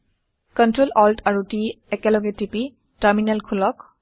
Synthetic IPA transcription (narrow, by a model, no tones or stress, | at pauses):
kɔntɹolɔltaɹutiɛkɛlɔɡɛtipi | taɹminɛlkʰulɔk